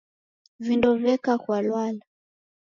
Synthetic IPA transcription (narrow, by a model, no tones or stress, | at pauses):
vindɔvɛkakwalwala